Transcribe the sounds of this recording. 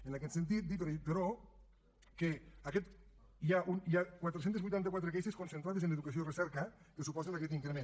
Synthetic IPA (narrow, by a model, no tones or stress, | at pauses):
ənakɛt̪sent̪̬it̪̚d̪ip̬eɾeit̪eɾo | keakɛt̪ | iaʔunjakwat̪ɾesent̪ezβujt̪ant̪əɐkwat̪ɾəkɛjseskonsənt̪ɾaðezənəðukɐsioirəsɛɾkəkəsupɔzenakɛt̪iŋkɾemẽn